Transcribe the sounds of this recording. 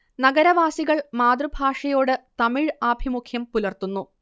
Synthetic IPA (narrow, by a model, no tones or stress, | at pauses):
nɐɡɐɾɐʋaːsiɣɐɭmaːd̪rɨbʱaːʂɐjo̞ːɽɨt̪ɐmiɻaːbʱimukʰjɐmpulɐrt̪unːu